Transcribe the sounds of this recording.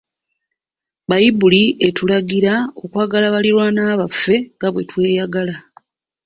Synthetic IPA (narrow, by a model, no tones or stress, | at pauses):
bajibuliʔe̞tulaɡiɾao̞kwaːɡalaβaliɾwanaːβafːe̞ŋɡaβwe̞twe̞ːjaɡala